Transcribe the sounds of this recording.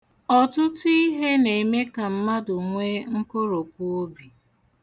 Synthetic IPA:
ɔ˨tʊ˦tʊ˦i˦ɦe˦ne˨me˦ka˨m̩˦ma˦dʊ˨ŋʷe˦ŋ̩˦ko˦ɾo˨p̚u˦o˦bi˨

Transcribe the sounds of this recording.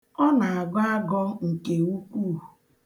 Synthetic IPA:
ɔ˦na˨a˨ɡa˦ɡɔ˦ŋ̩˨ke˨u˦kʷu˦˨

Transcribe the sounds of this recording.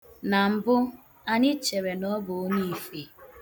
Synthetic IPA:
na˨m̩˦˨bʊ˦ | a˦ɲɪ˦t͡ʃe˨ɾe˨nɔ˦bʊ˨˦ni˦i˨fe˨

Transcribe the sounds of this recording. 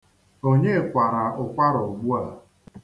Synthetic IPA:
o˦ɲe˦˨kʷa˨ɾa˨ʊ˨kʷa˦ɾɔ˨ɡ͡bu˦a˨

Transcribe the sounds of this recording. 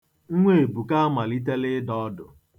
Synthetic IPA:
ŋ̩˦ŋʷe˦˨e˨bu˨ka˦a˦ma˨li˦t̬e˦lɪ˦dɔ˦dʊ̰˨

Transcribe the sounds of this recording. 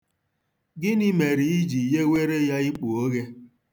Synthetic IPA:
ɡɪ˦ni˦me˨ɾi˨i˦d͡ʒi˨je˦we˦ɾe˦ja˦i˦k͡pu˨o˦ɣe˦

